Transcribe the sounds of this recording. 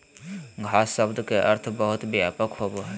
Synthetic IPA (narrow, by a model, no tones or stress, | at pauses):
ɡʱaːsːəbd̪keʔəɾt̪ʰbəɦʊt̪beapəkɦoboɦɛ